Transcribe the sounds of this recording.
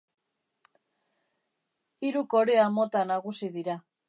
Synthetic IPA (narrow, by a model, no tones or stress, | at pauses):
iɾuko̞ɾe̞amo̞t̪anaɣ̞usiðiɾa